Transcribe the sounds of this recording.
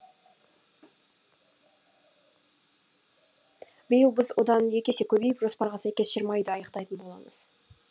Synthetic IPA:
bʏjəlˠbɪzwo̞̰d̪ɑnje̞kʲe̞se̞kʲʰɵbe̞jpʒo̞spɑɾʁɑsæjkʲe̞sʃɪɾmɑjd̪ɪɑjəqt̪ɑjt̪ənbo̞lˠɑ̰mə̰z̥

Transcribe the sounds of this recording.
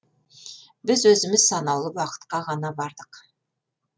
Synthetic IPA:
bɪzwɵzɪmɪzsɑnɑwlˠəwɑqə̥t̪qɑʁɑnɑbɑɾd̪əq

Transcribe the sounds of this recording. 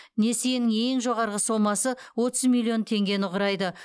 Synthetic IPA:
ne̞sejnɪŋe̞ŋʒo̞ʁɑɾʁəso̞mɑsəwo̞t̪əzmilʲˠːio̞nt̪ʰe̞ŋɡʲe̞nʊʁɾɑjd̪ə

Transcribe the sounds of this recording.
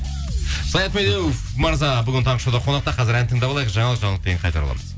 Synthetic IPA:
sɑjɑt̪med̪ew | mɑɾzɑbʏɡʲɪnt̪ʰɑɴəʃod̪ɑqʰo̞nɑqt̪ɑqʰɑzɪɾænt̪ʰəŋd̪ɑblˠɑjəzʒɑɴɑlˠəqʒɑɴəlˠəd̪eɡʲeɴqɑjt̪ɑɾɑ̰lˠɑ̰məz̥

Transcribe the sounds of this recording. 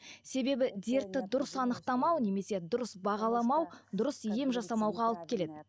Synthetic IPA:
se̞be̞bɪd̪e̞ɾt̪ːɪd̪ʊɾəsɑnəqt̪ɑmɑwne̞me̞se̞d̪ʊɾəsbɑʁɑlˠɑmɑwd̪ʊɾəsije̞mʒɑsɑmɑwʁɑːlˠəp̚kʲʰe̞le̞d̪ɪ

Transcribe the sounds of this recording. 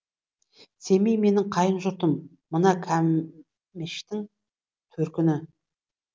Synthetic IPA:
se̞mejme̞nɪŋqʰɑjənʒʊɾt̪əmː | ənɑkʲʰæmː | ɪʃt̪ɪŋ | t̪ʰɵɾkʲɪnɪ

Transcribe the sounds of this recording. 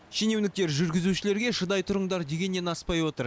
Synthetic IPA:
ʃenewnɪk̚t̪e̞ɾʒʏɾɡʲɪzuʃɪle̞ɾɡʲe̞ʃəd̪ɑjt̪ʰʊɾəɴd̪ɑɾd̪e̞ɡʲe̞nːe̞nɑspɑjwo̞t̪əɾ

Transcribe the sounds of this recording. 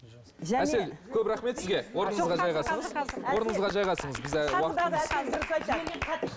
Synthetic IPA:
ʒææselkʲʰɵpɾɑχme̞t̪sɪzɡʲe̞wo̞ɾnəɴəzʁɑʒɑjʁɑsəɴəzwo̞ɾənəɴəzʁɑʒɑjʁɑsəɴəzbɪzwɑd̪ɑd̪ɾsɑj̪eqʰɑt̪ː

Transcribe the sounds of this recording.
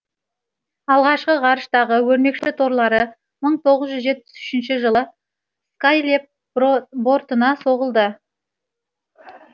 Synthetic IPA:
ɑlˠʁɑʃqəʁɑɾəʃt̪ɑʁəwɵɾme̞kʃɪt̪ʰo̞ɾlˠɑɾə | məɴt̪ʰo̞ʁəzʒʏzʒe̞t̪̚pːɪ̥sʏ̥ʃɪnʃɪʒəlˠə | skajlʲep̚ | bo̞ɾt̪ənɑso̞ʁəlˠd̪ə

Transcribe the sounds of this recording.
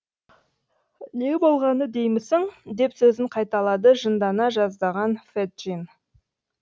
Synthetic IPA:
ne̞ɡʲbo̞lˠʁɑnəd̪e̞jmɪsɪŋd̪e̞psɵzɪɴqʰɑjt̪ɑlˠɑd̪əʒənd̪ɑnɑʒɑzd̪ɑʁɑnfet̪̚ʒin

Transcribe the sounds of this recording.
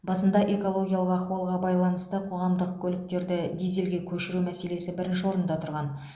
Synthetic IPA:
bɑsənd̪ɑʔe̞ko̞lˠo̞ɡʲijalˠəqɑχuɑlˠʁɑbɑjlˠɑnəst̪əqʰo̞ʁɑmd̪əq̚kʲʰɵlɪk̚t̪e̞ɾd̪ɪd̪ijzelɡʲe̞kʲʰɵʃɪɾumæse̞le̞sɪbɪɾɪnʃɪwo̞ɾənd̪ɑt̪ʰʊɾʁɑn

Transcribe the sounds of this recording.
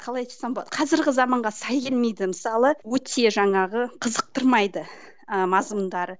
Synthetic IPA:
qʰɑlˠɑjt̪ʰsɑmbolˠɑd̪qʰɑzɪɾɡʲɪzɑmɑɴʁɑsɑjɡʲelme̞jd̪ɪməsɑlˠəwɵt̪ʰe̞ʒɑɴɑʁəqʰəzəq̚t̪əɾmɑjd̪ə | mɑzmənd̪ɑɾə

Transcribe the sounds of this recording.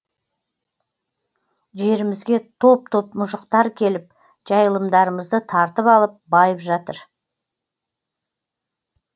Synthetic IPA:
ʒe̞ɾɪmɪzɡʲe̞t̪ʰo̞p̚t̪ʰo̞pmʊʃəqt̪ɑɾkʲʰe̞lɪp̚ | ʒ̥ɑjəlˠəmd̪ɑɾəməzd̪ət̪ʰɑɾt̪əpɑlˠəp̚bɑjəpʒɑt̪əɾ

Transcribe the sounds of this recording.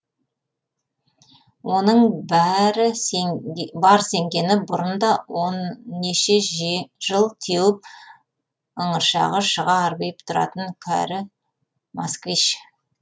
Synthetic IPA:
wo̞nəɴbæɾɪ | bɑɾse̞ŋɡʲe̞nɪbʊɾənd̪ɑwonːeʃe̞ʒʒ̥əlˠt̪ʰewɪp̚ | əɴəɾʃɑ̰ʁəʃəʁɑːɾbejpt̪ʰʊɾɑ̰t̪əŋkʲʰæ̰ɾɪ | maskviʃ

